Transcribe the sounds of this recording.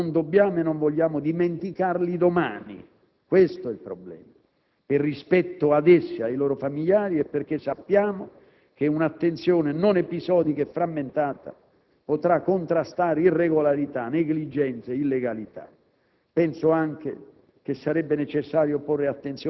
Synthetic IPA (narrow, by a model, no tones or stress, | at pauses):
nnd̪obːjaːmʊenːoɱvɔʎːaːmʊd̪iment̪ikarlid̪oma̰ːnḭ | kwest̪oɛlpɾɔblɛ̰ːma | ɪrːispɛt̪ːʊad̪ɛsːiajloːɾofamiljaːɾiɛpːerk̟esːapːjaːmo | k̟eunat̪ːent̪sjoːnenonepizɔːd̪ikɛfːɾamːent̪aːt̪a̰ | pot̪ɾakːont̪ɾast̪aːɾeirːeɡolaɾit̪aneɡlid͡ʒɛnt̪seilːeɡalit̪a̰ | pɛnsʊaŋk̟ḛ | k̟esːaɾɛbːenet͡ʃesːaːɾjoporːeat̪ːent̪sjo